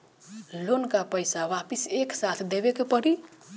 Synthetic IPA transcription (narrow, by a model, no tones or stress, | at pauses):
lonkapəjsawapiseksat̪ʰd̪ebekepəɾi